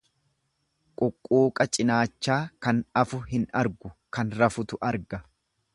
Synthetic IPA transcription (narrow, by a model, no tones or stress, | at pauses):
kʼɔkʼːuːkʼɐt͡ʃʼɪnaːt͡ʃːaːkɐnɐfʊhɪnɐɾɡʊkɐnɾɐfʊt̪ʊʔɐɾɡɐ